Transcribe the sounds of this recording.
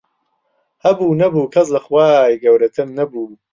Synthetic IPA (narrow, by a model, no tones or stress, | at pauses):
hɐbuːnɐbuːkʰɐs̬lɐxwaːjɡɐwɾɐt̪ʰɨmnɐbuː